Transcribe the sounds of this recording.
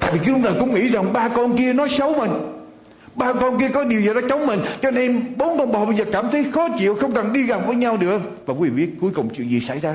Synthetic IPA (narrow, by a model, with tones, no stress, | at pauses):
t̪a̰ː˧˨ji˨˩kːlʊ˧ɗaː˨˩kʊ̰˧˥ŋ͡mŋḭ˧˩za˨˩ŋɓaː˧kɔ˧nki˧ənɔ˨˦jsə˨˦wmï˨˩ŋ̟ | ɓaː˧kɔ˧nk̬i˧əkɔ˨˦ɗi˨˩əwzəː˨˩ɗɔ˨˦t͡ɕə˨˦wŋ͡mmï˨˩ŋ̟t͡ɕɔ˧ne˧ɓo˨˦nkɔ˧nɓa˨˩ɓə˧˩zəː˨˩kaː˧˩mt̪ʰə˨˦jxɔ˨˦t͡ɕḭ˧˨əwxə˧wŋ͡mka˨˩nɗi˧ɣa˨˩p̚vəː˨˦jɲa˧wɗɨ˨˩ək̚vaː˨˩ku˨˦vḭ˨˩˨i˦˥ət̚ku˨˦əjkʊ˨˩wŋ͡mt͡ɕḭ˧˨ŋzḭ˨˩sa̰˧˩jzaː˧